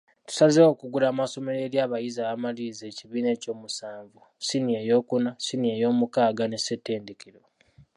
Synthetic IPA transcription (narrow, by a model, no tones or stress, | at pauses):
tu̥sazewokuɡuɾaːmaso̞me̞ɾe̞ːɾjaːβajizaβamalize̞ːciβiːne̞ːco̞ːmusaːɱvu | sinie̞jo̞ːkunasinie̞jo̞ːmukaːɡane̞setːe̞ːndekiɾo̞